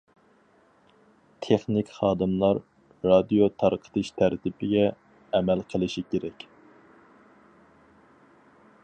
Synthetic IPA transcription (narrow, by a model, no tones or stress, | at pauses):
t̪ʰeχnɪkʲχɑːd̪ɨmlˠɑɾː | ɑd̪ijot̪ʰɑɾqʰə̥t̪ʰɨʃt̪ʰæɾt̪ʰɪpɪɡʲɛː | mælqʰəlˠɨʃikʲeɾɛkʲ